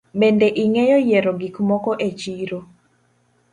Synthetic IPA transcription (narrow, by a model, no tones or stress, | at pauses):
mendeʔiŋejɔjeɾɔɡikmɔkɔʔet͡ʃiɾo